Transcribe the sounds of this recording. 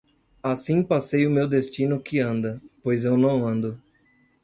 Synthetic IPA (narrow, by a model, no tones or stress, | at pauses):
asĩpasejʊmewd̪est͡ʃinʊkɪɐ̃nd̪ɐpojzewnɐ̃w̃ɐ̃nd̪ʊ